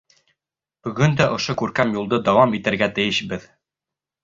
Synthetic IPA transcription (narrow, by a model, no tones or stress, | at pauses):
b̥ɵ̆ɡɵnd̪æʔŏʃokʉɾkæmjulˠd̪ɤd̪ɑwɑmit̪ɘ̆ɾɡæt̪ɘ̆jɘʃbɘð